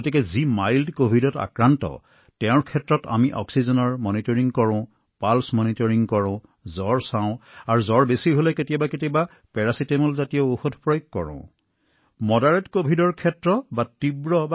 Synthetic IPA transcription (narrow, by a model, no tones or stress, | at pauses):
otikɛzimajldkobʱidɔta̰kɹantɔ̰ | tɛʊ̃ɹkʰɛtɹɔta̰miʔɔ̰ksizɔnɔɹmɔnitɔɹiŋkɔɹɔ̃ | palsmɔnitɔɹiŋkɔɹɔ̃ʊ̃ | zɔɹsãʊ̃aɹuzɔɹbesiɦolɛketijabaketiba | pɛɹasitemulzatijɔoxodʱpɹɔjkːɔɹɔ̰̃ | mɔdaɹɛtkobʱidɔɹkʰɛtɹɔbatibɹɔba